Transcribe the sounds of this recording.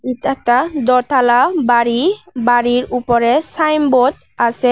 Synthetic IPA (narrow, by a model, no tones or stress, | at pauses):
itɛk̚tad̪ɔɹt̪ʰalabaɹibaɹiɹupɔɹɛsajmbɔt̚ | asɛ